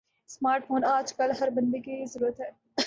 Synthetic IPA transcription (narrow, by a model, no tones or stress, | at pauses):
smaːɾʈfʰoːnaːd͡ʒkɐlɦɐɾbɐ̃nd̪ekizəɾuːɾət̪ɦɛː